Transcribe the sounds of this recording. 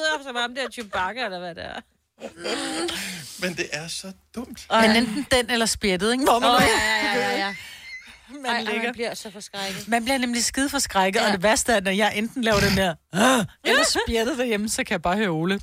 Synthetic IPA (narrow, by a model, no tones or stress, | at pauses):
fsɑɪbɑ̈md̥eæɐyb̥ɑ̈ɡ̥əelɐʋæd̥eɐ | mend̥e̝ʔæɐsɒ̽d̥ɔm̰d̥menend̥n̩d̥enelɐsb̥jed̥ð̩ˠeŋʋɒm | mæleɡɐbliɐsɒfɒsɡ̥ʁaɡ̥̩ˠmænb̥liɐnemlisɡ̥ið̞ˠfɒ̽sɡ̥ʁäɪɡ̥ð̩ˠɒd̥eʋæɐsd̥əæɐdɒjɑ̈ɪʔend̥n̩lɛːʊɐɾ̥endeɐ̰elɐsb̥jed̥ð̩ˠd̥æɐjeməsɒ̽kʰæjɑb̥ɑ̈ːhøoːlə